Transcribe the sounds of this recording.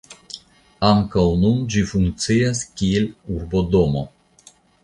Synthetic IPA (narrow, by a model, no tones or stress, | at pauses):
aŋkawnund͡ʒifuŋk̚sijaskʲieluɾbod̪omo̞